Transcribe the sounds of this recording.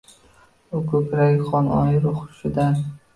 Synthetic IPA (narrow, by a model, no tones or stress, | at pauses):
ʊkʰɵkʲɾaɡʲɪχɒnʔɒ̰jɾʊχʊ̥ʃɪd̪an